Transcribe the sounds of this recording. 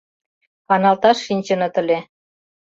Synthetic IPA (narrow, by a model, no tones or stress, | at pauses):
kɑnɑlt̪ɑʃːinʲt͡ɕə̆nɤ̆t̪ə̆lʲe